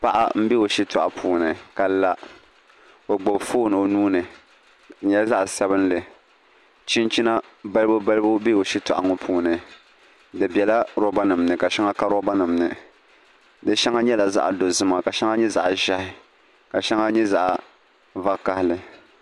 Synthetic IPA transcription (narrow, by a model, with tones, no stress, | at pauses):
pa˦ʔa̰˦m̩˦bi˦o˨ʃi˦tʊ˨ʔa̰˨pʰuː˨nɨ˨ka˨la˨ | o˨ɡ͡bo˨bfoː˦nɨ˨o˨nuː˦nɨ˨˦ | ɲɛ˦lza˦ʔsa˦bɨ˦n˦lɨ˨ | t͡ʃi˦nt͡ʃi˦na˦ba˦lbo˦ba˦lɨ˦bo˦be˦o˨ʃi˦tʊ˨ʔa̰˨ŋʊ˦pʰuː˨nɨ˨ | dɨ˨bʲɛ˨la˦ɾo˦ba˦nɨ˨mnɨ˨ka˨ʃɛ˦ŋa˦ka˦ɾɔ˦ba˦nɨ˨mnɨ˨ | dɨ˦ʃɛ˦ŋa˦ɲɛ˦la˨za̰˦ʔa˨do˨zɨ˦ma˨ka˨ʃɛ˦ŋa˦ɲɛ˦za̰˨ʔʒa˦hɪ˨ | ka˨ʃɛ˦ŋa˦ɲɛ˦za˦ʔa˨ | va˦ka˨hɪ˦lɨ˨